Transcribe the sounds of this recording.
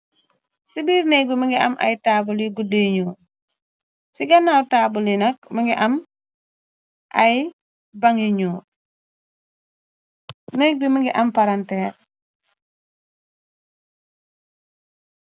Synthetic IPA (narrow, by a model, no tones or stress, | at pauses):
sibiːɾnɛbiməŋɡiɐ̰mʔɐ̰jtaːbuliɡudiɲuː | siɡɐnːaltaːbulinɐk̚məŋɡiʔɐm | ʔɐj | baŋiɲuː | nɛk̚biməŋɡiʔɐmpaɾantɛːɾ